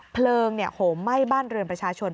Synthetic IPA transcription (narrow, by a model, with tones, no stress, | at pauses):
pʰlɤː˧ŋni˥˩ɐhʰoː˩˦mːa˥˩jbaː˥˩nɾɯ˧ənpɾa˧t͡ɕʰaː˧t͡ɕʰo˧n